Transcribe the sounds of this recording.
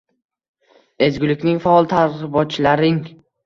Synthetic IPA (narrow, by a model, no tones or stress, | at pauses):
e̞d͡ʒɡʲɪlɪkʲnɪŋfaɒlˠt̪ʰaɾɪbɒt͡ʃlaɾɪŋ